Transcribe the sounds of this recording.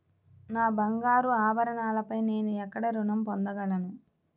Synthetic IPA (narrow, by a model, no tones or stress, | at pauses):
naːbɐŋɡaːɾuaːbɐɾɐɳaːlɐpɐjne̞ːnuɛkːɐɽɐɾunɐmpond̪ɐɡɐlɐnu